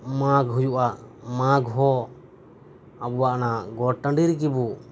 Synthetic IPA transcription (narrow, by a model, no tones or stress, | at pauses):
mãɡɦujuʔamãɡɦɔ | abuwaʔnaɡɔʈəɳɖiɾkibu